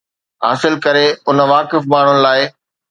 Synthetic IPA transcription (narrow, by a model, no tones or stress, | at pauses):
ɦa̰ːsɪlkɐɾeʊnʋaːkɪfmaːɳ̤ʊnɪ̆laːɪ